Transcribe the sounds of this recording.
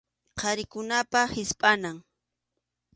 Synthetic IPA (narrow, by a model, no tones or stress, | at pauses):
qʰɑɾɪkʊnapahɪspʼanaŋ